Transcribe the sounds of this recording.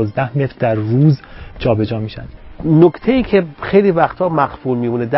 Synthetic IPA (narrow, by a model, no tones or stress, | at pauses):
zd̪æhmet̪ɾd̪æɾːuːzd͡ʒʰɒːbe̞d͡ʒɒːmiːʃæ̰nd̪̥nokt̪ʰejiːcʰexejliːvæxt̪ʰɒːmæɣfuːlmiːmuːned̪æ